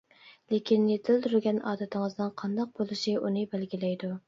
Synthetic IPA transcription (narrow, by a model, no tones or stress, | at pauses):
lekʲʰinjet̪ʰɪlt̪ʰɾɡʲɛnɑ̰ːd̪ɛt̪ʰɪŋɨzdnɨnqʰɑnd̪ɑq̚bolˠɨʃiʔunɨɪbælɡʲilɛjd̪u